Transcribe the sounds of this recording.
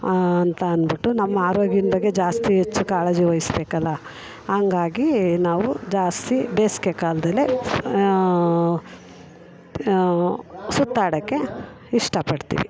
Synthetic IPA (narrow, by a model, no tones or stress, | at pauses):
ɐnt̪ɐɐnbiʈːunɐmːɐaːɾoːɡjinɐbɐɡːe̞d͡ʒaːst̪iɦet͡ʃːukaːleːd͡ʒiʋɐjisbeːkɐlːɐ | hɐŋɡaːɡinaːʋud͡ʒaːst̪ibeːskekaːlɐd̪ɐlːe | sut̪ːaːɽɐkːe̞ | iʂʈɐpɐɽt̪ḭːʋḭ